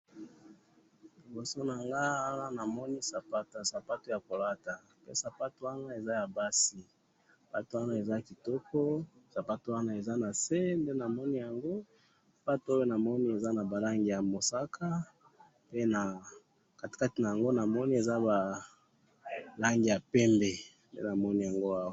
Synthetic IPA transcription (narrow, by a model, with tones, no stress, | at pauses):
li˨bo˨so˦na˨ŋɡa˦wa˦la˦na˨mɔ˦ni˦sa˨pa˦ta˨sa˨pa˦to˦˨ja˨ko˨la˦ta˨ | pḛ˦sa˨pa˦to˦wa˦na˦e˨za˦ja˨ba˦si˨ | pa˦to˦wa˦na˦e˨za˦ki˨tɔ˦kɔ˦sa˨pa˦to˨˦wa˦na˦e˨za˦na˨se˦nde˦na˨mɔ˦ni˦ja˨ŋɡo˦ | a˨pa˦to˦a˦jo˦na˨mɔ˦ni˦e˨za˦na˨ba˨la˦ŋɡi˨ja˨mo˨sa˦kʰa˦ | pe˦na˨ | ka˨tka˦ti˨na˨ja˨ŋɡo˦na˨mɔ˦ni˦e˨za˦ba˨ | la˦ŋɡi˨ja˨pɛ˦mbe˨ | ndḛ˦na˨mɔ˦ni˦ja˨ŋɡo˦a˦wa˨